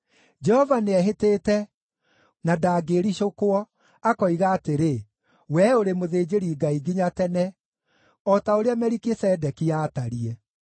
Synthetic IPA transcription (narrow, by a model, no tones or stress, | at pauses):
d͡ʒɛhɔvaneɛɦeteːtɛ | nadaːɡeɾiɕokoɔ | akɔiɣaːteɾe | wɛoɾemoðeːd͡ʒeɾiːɡaiɡiɲatɛnɛ | ɔtaoɾeamɛɾikesɛdɛkiaːtaɾiɛ